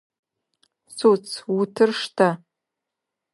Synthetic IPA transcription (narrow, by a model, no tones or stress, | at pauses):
sut͡sʰwutʰɨrʂtʰa